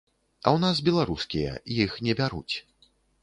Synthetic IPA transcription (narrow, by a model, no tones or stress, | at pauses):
ɐ̰wnasbʲɛlˠaɾuskʲijɛ̰jixnʲɛbʲaɾṵt͡sʲ